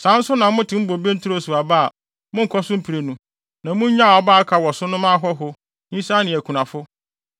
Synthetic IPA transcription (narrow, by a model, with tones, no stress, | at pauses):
sã˨˦n̩˦sʊ˦nã˨mʊ̃˦tʰɪ̃˨˦m̩˦bo˨be˦n̩˦tʰʊ˦o˦˨su˨a˨ba˦a˨ | mʊ̃˦ŋ̩˨kʰɔ˦sʊ̃˦m̩˦pʰi˨ɾe˨nũ˦ | nã˨mʊ̃˦ɲ˦ɲã˦˨ɔ˨˦baː˦kʰa˨wɔ˨sʊ˦nʊ̃˦mã˦ɦɔ˦ɦʊ˦ | ɲĩ˦sa˦nɪ̃˨ɛ˨kʷʰu˨nã˨fʊ˦